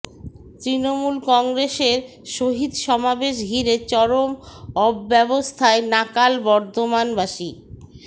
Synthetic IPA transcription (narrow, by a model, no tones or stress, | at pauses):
t̪ɾinomulkɔŋɡɾeʃeɾ | ʃoɦid̪ʃɔmabeʃ̬ɡʱiɾet͡ɕɔɾomɔbːɛbost̪ʰaenakalbɔɾd̪ʱomanbaʃi